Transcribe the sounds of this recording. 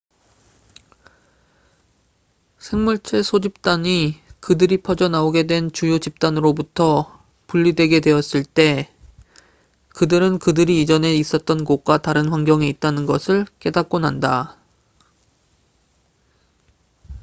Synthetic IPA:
sʰe̞ŋmuɭt͡ɕʰe̞sʰod͡ʑip̚t͈aɲikɯdɯɾipʰʌd͡ʑʌnaoɡe̞dwe̞nt͡ɕujot͡ɕip̚t͈anɯɾobutʰʌ | puʎːidwe̞ɡe̞dwe̞ʌs͈ɯɭt͈e̞ | kɯdɯɾɯnkɯdɯɾiːd͡ʑʌne̞is͈ʌt̚t͈ʌnɡok̚k͈wataɾɯnɸwaŋɡjʌŋeit̚t͈anɯnɡʌsʰɯɭk͈e̞dak̚k͈onɦanda

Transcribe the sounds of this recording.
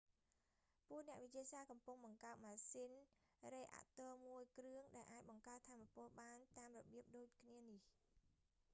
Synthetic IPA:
puəʔnɛ̆əʔʋɨc̚t͡ɕiəsaːkɑmpuŋɓɑŋkaət̪̚maːsiːnreːʔa̰ʔt̪oːmuəjkrɨəŋɗaɛlʔaːc̚ɓɑŋkaət̪ʰːaːmːapʊ̆əlɓaːnt̪aːmrɔɓiəp̚ɗoːc̚kʰniənih

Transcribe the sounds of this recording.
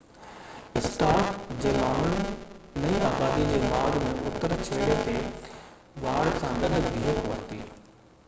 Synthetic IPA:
ɪsʈaːɾʈd͡ʑeːmaːɽəɽɪ̆nɐiaːbaːd̪id͡ʑeːʋaːɽmẽʔʊt̪əɾt͡ɕʰeːɽet̪e | ʋaːɽsãːɡɐɗb̪ʱiːɦəkoʋət̪iː

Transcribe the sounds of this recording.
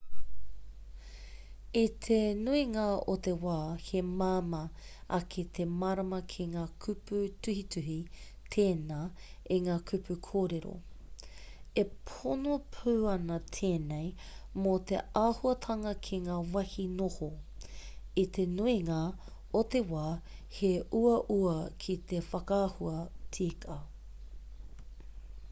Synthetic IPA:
it̪ʰenuiŋaot̪ewaːhemamɐ | ɐkʰet̪ʰemɐɾɐmɐkʰeŋaːkʰʉpʉtʉhitʰʉɦi | t̪ʰeːnaː | eŋaːkʰʉpʰʉkʰoːɾeɾo̰ | epʰonopʰuːɐnɐtʰeːnej | mot̪ḛaːhuɐtʰɐŋɐkʰiŋaːwɐhinoho | it̪ʰenuiŋaː | otewaːheʔuɐʔuɐkʰit̪efɐkahuɐtʰikʰɐ

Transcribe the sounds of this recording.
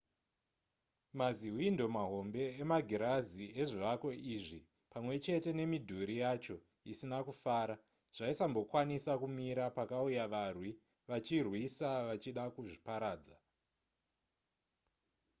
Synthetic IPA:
maziɦwindo̞maɦo̞mbe̞emaɡʱiɾazieʐiʋako̞iʐi | pamwe̞t͡ʃe̞te̞ne̞midʱuɾijat͡ʃo̞ | isinakufaːɾa | ʐ̥aisambo̞kwanisakumiɾapakaujaʋarwi | ʋat͡ʃirwisaʋat͡ʃiɗakuʐipaɾaːd͡za

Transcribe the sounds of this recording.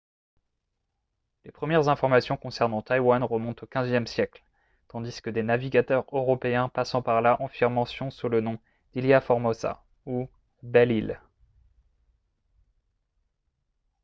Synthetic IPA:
lepχəmjɛʁzɛ̃fɔʁmasjɔ̃kɔ̃sɛʁnɑ̃t̪ajwanʁəmɔ̃t̪okʲɛ̃zjɛmsjɛkl | t̪ɑ̃d̪iskəd̪enaviɡat̪œʁøʁɔpeɛ̃pasɑ̃paʁlaʔɑ̃fiʁmɑ̃sjɔ̃sulənɔ̃ | d̪̥iljafɔʁmɔsa̰ | u | bɛlil

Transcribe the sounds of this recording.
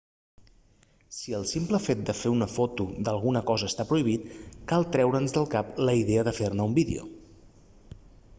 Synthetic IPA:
siəlˠsimpləfet̪̚d̪əfeunəfot̪ud̪əlˠɣunəkɔzəːst̪apɾuiβ̞it̪kalˠt̪ɾɛwɾənzðəlˠkapləiðeəðəfernəumbiðḭṵ

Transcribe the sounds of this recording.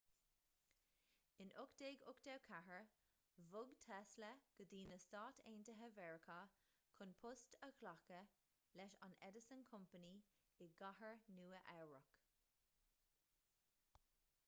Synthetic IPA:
ɪnʔʊkd̥̪eːɡʊkd̥̪ɛwkʰaɦəɹ | vʊɡtʰɛsləɡ̥əd̪iːnəstaːtʰḛːntəɦəvɛɹəkʰa | kʰʊnpʰʊstəkʰlakə | lɛʃa̰nɛ̰dəsənkʰʊmpəni | ɪɡahəɹnuːəʔɛwɹək

